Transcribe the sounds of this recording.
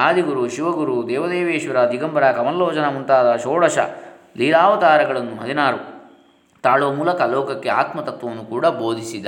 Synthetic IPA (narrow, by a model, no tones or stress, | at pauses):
aːd̪iɡuɾuʃiʋɐɡuɾud̪ɛːʋɐd̪eːʋeːʃʋɐɾɐd̪ʱiɡɐmbɐɾaːkɐmɐnloːt͡ʃɐnɐmunt̪aːd̪ɐʃoːɽɐʃɐ̰ | liːɾaːʋɐt̪aːɾɐɡɐɭɐnːuɦɐd̪inaːɾu | t̪aːɭoːmuːlɐkɐlɔːkɐkːe̞aːt̪mɐt̪ɐt̪ʋɐʋnːukuːɽɐboːd̪ʱisid̪ːɐ